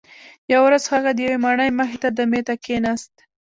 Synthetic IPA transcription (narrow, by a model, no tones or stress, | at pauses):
jawɾazxaɣad̪əjawemaɳəjməxet̪ad̪əmet̪akenast̪